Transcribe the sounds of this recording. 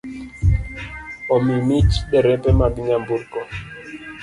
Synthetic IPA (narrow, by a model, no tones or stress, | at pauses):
ɔmimit͡ʃɗɛɾɛpɛmaɓiŋambuɾkɔ